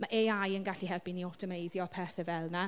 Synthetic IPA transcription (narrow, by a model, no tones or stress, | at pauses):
maʔeajənɡaɬihɛrpiniɔtʰəmejðjɔpʰɛːθɛvɛlˠna